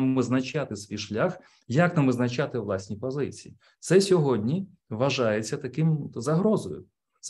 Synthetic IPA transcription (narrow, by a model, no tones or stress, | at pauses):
mʋɪznɐt͡ʃat̪ɪsʋʲijʃlʲax | jɐknɐmɪznɐt͡ʃat̪ɪʋlˠɑsʲnʲipɔzɪt͡sʲiji | t̪sɛsʲɔɦɔdʲnʲi | ʋɐʒɑjet͡sʲːɐt̪ɐkɪmzɐɦɾɔzɔjʊ̰ | s